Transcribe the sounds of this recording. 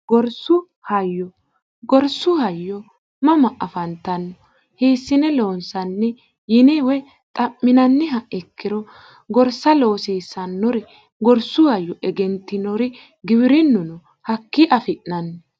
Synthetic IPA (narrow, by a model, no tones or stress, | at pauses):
ɡɔɾsʊ | hɐjːɔ | ɡɔɾsːʊhɐjːɔ | mɐmɐʔɐfɐnt̪ːɐnːɔ | heːsːɪnɛloːnsɐnːɛ | jɪnɛwɛ | t̪ʼɐmːɪnɐnːɛɦɐɛkːɪɾɔ | ɡɔɾsɐlo̞ːsiːsɐnːɔɾɛ | ɡɔɾsʊhɐjːɔʔɛɡɛnt̪ːɪnɔɾɛ | ɡɪbɪɾɪnːʊnɔ | hɐkːɪʔɐfɪʔnɐnːɔ